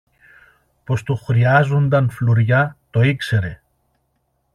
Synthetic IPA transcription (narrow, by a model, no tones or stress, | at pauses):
po̞st̪uxɾiɐzo̞nd̪ɐnfluɾʝɐt̪o̞ikse̞ɾe̞